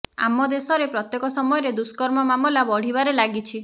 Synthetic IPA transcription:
a̰mɔd̪esɔɾepɾɔt̪jekɔsɔmɔjɔɾed̪uskɔɾmɔmamɔlabɔɽ̤ibaɾelaɡit͡ʃʰi

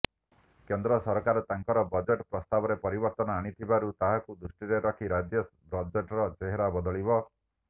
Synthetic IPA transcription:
kend̪ɾɔsɔɾkaɾɔt̪aŋkɔɾɔbɔd͡ʒeʈpɾɔst̪abɔɾepɔɾibɔɾt̪ɔnɔaɽ̃it̪ʰibaɾut̪aɦakud̪ɾusʈiɾeɾɔkʰiɾad͡ʒjɔ | ɾɔd͡ʒeʈɾɔt͡ʃeɦeɾabɔd̪ɔɭibɔ

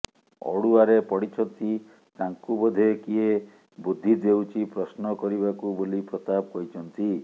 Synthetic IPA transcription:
ɔ̰ɽuaɾepɔɽit͡ʃʰɔnt̪i | k̪aŋkubɔd̪ʱekie | bud̪ʱːid̪ewt͡ʃʰipɾɔsnɔkɔɾibakubolipɾɔt̪abɔkɔɾit͡ʃʰɔnt̪i

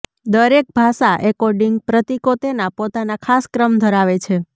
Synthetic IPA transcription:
d̪əɾek̚bʱasaʔekoɾɖiŋɡ̚pɾət̪ikot̪enapot̪anakʰaskɾəmd̪ʱəɾaʋet͡ʃʰe

